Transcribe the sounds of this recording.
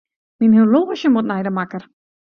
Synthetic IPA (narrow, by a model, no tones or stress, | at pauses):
minɦiloːʃjəmotnɛjdəmakər